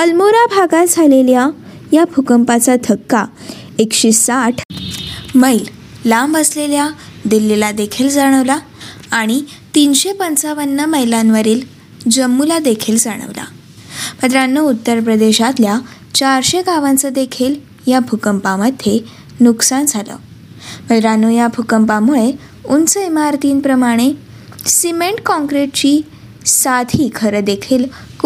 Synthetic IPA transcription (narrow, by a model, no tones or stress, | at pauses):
əlmoɾabʱaɡat̪d͡zʱalelja | jabʱukəmpat͡sat̪ʰəkːa | ekɕisaːʈʰ | məjlː | ambəsleljad̪ilːilad̪ekʰeld͡zaɽ̃əʋla | aɽ̃i | t̪inɕepənt͡saʋənːəməjlãnʋəɾiːl | d͡ʑəmːulad̪ekʰeld͡zaɽ̃ə̰ʋla̰ | mət̪ɾanːuut̪ːəɾpɾəd̪eɕat̪lja | t͡ɕaɾɕeɡaʋãnt͡səd̪ekʰiːl | jabʰʱukəmpaməd̪ʱje | nuksand͡zʱalə̰ː | mət̪ɾanːujabʱukəmpãmuɭe | unt͡səemaɾt̪iːnpɾəmaɽ̃e | simeɳʈkɔ̃ŋkɾeʈ̚t͡ɕiː | sat̪ʰiːkʰəɾəd̪ekʰiːl | k